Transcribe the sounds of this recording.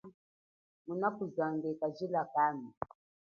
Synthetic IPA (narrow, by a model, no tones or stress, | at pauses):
munakuzandɛkaʒilakami